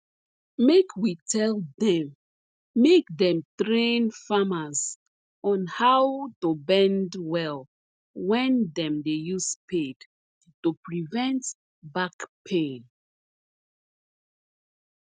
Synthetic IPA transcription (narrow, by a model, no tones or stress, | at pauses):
mekʰwitʰɛldɛ̃mː | ekdɛ̃mtɹẽnfamaz | ɔ̃nhawtubɛ̃ndwɛl | wɛ̃ndɛ̃mdejuspʰed̥ | tupɹivɛ̃nt | bakpʰẽn